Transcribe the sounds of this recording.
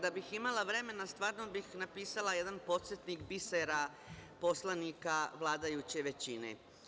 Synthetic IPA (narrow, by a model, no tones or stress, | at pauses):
d̪abiximalˠaʋɾe̞me̞nast̪ʋaːɾno̞bixnapiːsalaje̞d̪anpo̞t̪set̪nikbiseɾa | po̞slˠanikaʋlˠaːd̪ajut͡ɕe̞ʋe̞t͡ɕinḛ